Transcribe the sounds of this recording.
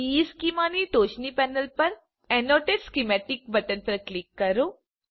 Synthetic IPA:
iːskimaːniʈoːt͡ʃnipɛːnɐlpɐɾ | enoːʈeɖskimeʈik̚bɐʈɐnpɐɾklikːɐɾu

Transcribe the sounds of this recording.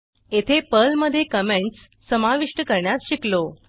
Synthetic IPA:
et̪ʰepəlməd̪ʱːjekəmeɳʈsː | əmaʋiʂʈəkəɾɳjasɕiklo

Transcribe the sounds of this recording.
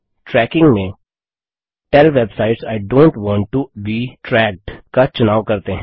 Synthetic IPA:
ʈɾɛːkɪ̃ŋɡmẽ | ʈɛlʋɛbsaːɪʈsaɪɖõːɳʈʋɔ̃ːɳʈːubiʈɾɛːk̚ʈkat͡ʃʊnaːʋkɐɾt̪eɦɛ̃

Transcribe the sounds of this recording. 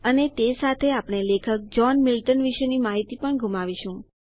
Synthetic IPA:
ənet̪esat̪ʰeapɽ̃elekʰək̚d͡ʒɔnmɪlʈənʋiʃenimaɦit̪ipəɳɡʱumaʋiʃũ

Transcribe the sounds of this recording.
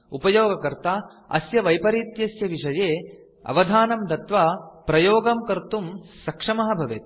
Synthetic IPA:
upɐjoːɡɐkɐɾt̪aː | ɐ̰sjɐʋɐjpɐɾit̪jɐsjɐʋiʂɐjeː | ɐ̰ʋɐd̪ʱaːnɐmd̪ɐt̪ʋɐpɾɐjoːɡɐmkɐɾt̪umsɐkʂɐmɐɦɐbʱɐʋeːt̪̚

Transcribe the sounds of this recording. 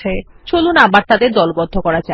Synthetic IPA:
e | t͡ɕolunabaɾt̪ad̪eɾd̪ɔlbɔd̪ʱːokɔɾat͡ɕa

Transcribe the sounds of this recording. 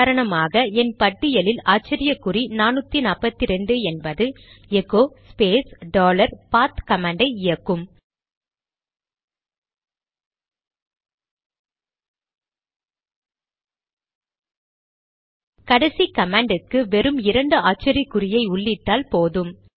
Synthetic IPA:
ɾɐɳɐmaːɣɐɛnpɐʈːɪjɐlɪlaːt͡ʃːɪɾɪjɐkːʊɾinaːnɯt̪ːinaːpɐt̪ːiɾɛɳɖɯɛnbɐðɯ | ɛɣoːspeːsɖoːlɐɾpaːt̪kɐmaːɳɖɐɪɪjɐkːɯm | kɐɽɐsikɐmaːɳɖɯkːɯʋɛɾɯmɪɾɐɳɖɯaːt͡ʃɪɾikːʊɾɪjɐɪʊɭːɪʈːaːlpoːðɯm

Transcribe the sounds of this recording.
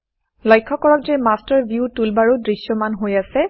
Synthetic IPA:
lɔjkʰːɔkɔɹɔk̚zɛmastaɹbjutulbaɹudɹisjɔmanɦojasɛ

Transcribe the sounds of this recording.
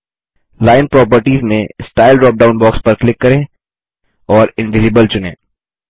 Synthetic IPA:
laːɪnpɾɔːp̬əɾʈiːzmẽsʈaːɪlɖɾɔːp̚ɖaːʊ̃nbɔːkspɐɾklɪkːɐɾẽː | ɔːɾɪ̃nʋɪzibəlt͡ʃʊnḛ̃ː

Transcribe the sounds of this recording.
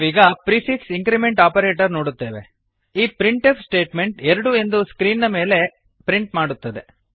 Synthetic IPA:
ʋiːɡɐpɾifiksiŋkɾimeɳʈaːpɐɾe̞ːʈɐɾnoːɽut̪ːeːʋe̞̰ | iːpɾiɳʈefsʈe̞ːʈme̞ɳʈɛɾɐɽue̞nd̪uskɾiːnːɐme̞ːle̞ | pɾiɳʈmaːɽut̪ːɐd̪e

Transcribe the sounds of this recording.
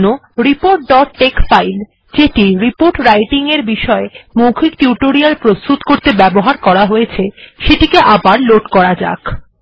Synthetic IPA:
no | ɾipoɾʈ̚ɖɔʈːekfajl | d͡ʑeʈiɾipoɾʈɾajʈiŋeɾbiʃɔemokʰikʈjuʈoɾialpɾost̪ut̪koɾt̪ebɛboɦaɾkɔɾaɦojet͡ɕʰeʃeʈikeʔabaɾloʈkɔɾad͡ʑa̰k

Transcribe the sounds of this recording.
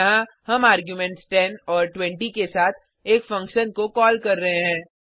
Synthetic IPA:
ɦã | hɐmaːɾɡjumɛ̃ɳʈsʈɛnɔːɾʈwɛ̃ɳʈikesaːt̪ʰ | eːkfɐ̃ŋkʃənkokɔːlkɐɾːɐɦeɦɛ̃ː

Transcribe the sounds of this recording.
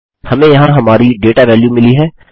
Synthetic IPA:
hɐmẽjɐɦãɦɐmaːɾiɖeːʈaʋɛːljumɪliɦɛː

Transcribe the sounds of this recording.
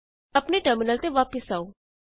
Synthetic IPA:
ɐpneʈəɾmɪnəlt̪eʋaːpɪsaːo

